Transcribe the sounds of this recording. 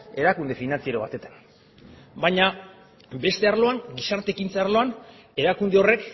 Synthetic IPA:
e̞ɾakund̪e̞finant͡sieɾoβ̞a̰t̪e̞t̪ḁn | bajɲa | be̞st̪e̞aɾlo̞aŋɡisaɾt̪e̞kint͡saaɾlo̞an | e̞ɾakund̪e̞o̞re̞k

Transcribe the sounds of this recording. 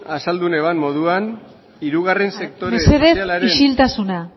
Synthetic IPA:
asald̪une̞βanmo̞ðuan | iɾuɣare̞nse̞k̚t̪oɾeeseðeaɾiʃilt̪asuna

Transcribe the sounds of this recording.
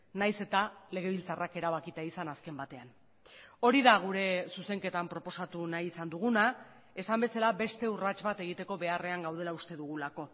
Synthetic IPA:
najse̞t̪ale̞ɣ̞e̞β̞ilt͡sarake̞ɾaβ̞akit̪aisanaske̞mbat̪e̞an | o̞ɾiðaɣ̞uɾe̞suse̞ŋke̞t̪ampɾo̞po̞sat̪unajisand̪uɣ̞una | e̞sambe̞salabe̞st̪e̞urat͡ʃβat̪e̞ɣit̪e̞ko̞βe̞are̞aŋɡawð̞e̞laust̪e̞ðuɣulako̞

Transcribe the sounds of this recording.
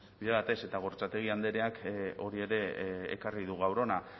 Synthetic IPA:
biʎaβat̪e̞se̞t̪aɣ̞o̞ɾt͡sat̪e̞ɣ̞iand̪e̞ɾe̞ako̞ɾie̞ɾe̞̰ːkariðuɣ̞awɾo̞na

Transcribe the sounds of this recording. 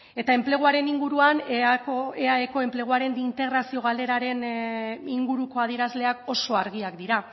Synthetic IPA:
e̞t̪ae̞mple̞ɣ̞uaɾe̞niŋɡuɾuanoeaeko̞e̞mple̞ɣ̞uaɾe̞nd̪int̪e̞ɣɾasio̞ɣ̞ale̞ɾaɾe̞niŋɡuɾuko̞að̞iɾazle̞ako̞so̞aɾɣiakd̪iɾa

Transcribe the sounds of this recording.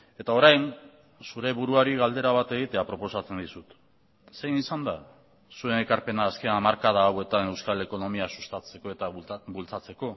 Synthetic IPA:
e̞t̪ao̞ɾajn | suɾe̞βuɾuaɾiɣald̪e̞ɾaβat̪e̞ɣ̞it̪e̞apɾo̞po̞sat͡se̞nd̪isut̪ | se̞jnisand̪a | sue̞ne̞kaɾpe̞naːske̞amaɾkað̞aːwe̞t̪ane̞wskale̞ko̞no̞miasu̥st̪at͡se̞ko̞e̞t̪abult͡sat͡se̞ko̞

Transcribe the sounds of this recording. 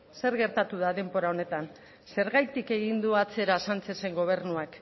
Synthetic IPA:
se̞ɾɣe̞ɾt̪at̪uð̞aðe̞mbo̞ɾao̞ne̞t̪an | se̞ɾɣajt̪ike̞ɣ̞ind̪uat͡se̞ɾasant͡se̞se̞ŋɡo̞β̞e̞rnuak

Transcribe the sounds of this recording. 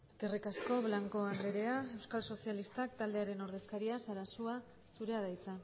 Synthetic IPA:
ɡerikasko̞βlaŋko̞and̪eɾe̞ae̞wskalso̞sialist̪akt̪ald̪e̞aɾe̞no̞ɾðe̞skaɾiasaɾasua | suɾe̞aðajt͡sa

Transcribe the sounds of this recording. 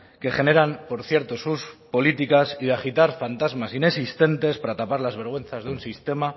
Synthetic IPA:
ke̞χe̞ne̞ɾampo̞ɾθje̞ɾt̪o̞suspo̞lit̪ikasiðeaxit̪aɾfant̪azmasine̞sist̪e̞nt̪e̞spaɾat̪apaɾlazβ̞e̞ɾɣwe̞nθazðeunsist̪e̞ma

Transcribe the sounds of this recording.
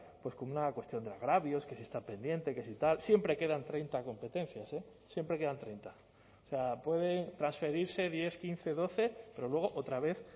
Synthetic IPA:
pwe̞sko̞nunakwe̞st̪jo̞nd̪eaɣ̞ɾaβjo̞ske̞siest̪ape̞nd̪je̞nt̪e̞kesit̪alsje̞mpɾe̞ke̞ðant̪ɾe̞jnt̪ako̞mpe̞t̪e̞n̟θjase | sje̞mpɾe̞ke̞ðant̪ɾejnt̪a | ose̞apwe̞ðe̞nt̪ɾansfe̞ɾiɾse̞ðje̞θkinθe̞ðo̞θe̞pe̞ɾo̞lwe̞ɣ̞o̞ʔo̞t̪ɾaβ̞e̞θ

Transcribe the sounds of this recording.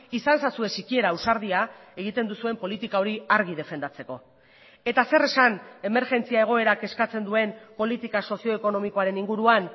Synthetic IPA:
isansasue̞sikie̞ɾausaɾðiae̞ɣ̞it̪e̞nd̪usue̞mpo̞lit̪ikao̞ɾiaɾɣið̞e̞fe̞nd̪at͡se̞ko̞ | e̞t̪ase̞re̞sane̞me̞ɾʝe̞nt͡siae̞ɣ̞o̞e̞ɾake̞skat͡se̞nd̪ue̞mpo̞lit̪ikaso̞sio̞eko̞no̞miko̞aɾe̞niŋɡuɾuan

